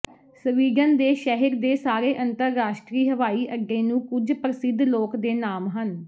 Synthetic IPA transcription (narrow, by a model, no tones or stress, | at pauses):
səʋiːɡənd̪eːʃɛːɦəɾd̪eːsaːɾeːʔənt̪əɾːaːʃʈɾiːɦəʋaːiːʔəɡːeːnũːkʊd͡ʒpɾəsɪd̪loːkd̪eːnaːmɦən